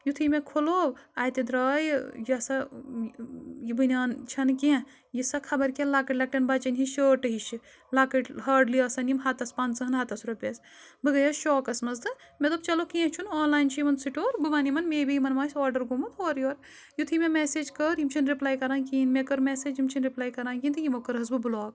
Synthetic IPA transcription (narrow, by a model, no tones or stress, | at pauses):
jut̪ʰimẽkʰoloːʋaːjt̪id̪ɾɐːjjɐsɐ | jibɨnʲaːnt͡ʃʰɐnkẽ | jisɐkʰɐbɐɾkẽlaːkɐʈlɐk̚ʈɐnbɐt͡ʃɐnʲɦiʃəːʈɨɦiʃi | laːkɐʈɦaːɖliɐːsɐnimɦɐt̪ɐspãːnzɨɦɐnɦɐt̪ɐsɾupʲɐs | bɨɡɐjɐʃɔːkɐsmɐzd̪ɨmʲɐt̪lɐbt͡ʃɐlokẽːt͡ʃʰunoːnlaːjnt͡ʃʰijmɐnsiʈoːɾbɨʋɐnimɐnmeːbijmɐnmaːsʲɔːɾɖɐɾɡumɐt̪oːɾjoːɾ | jut̪ʰimemeːseːd͡ʒkəːɾjimt͡ʃʰinɾiplaːjkɐɾaːnkiːnmekɐɾmeseːd͡ʒimt͡ʃʰinɾiplaːjkɐɾaːnkint̪ɨjimokɐɾɦɐzbɨbɨloːk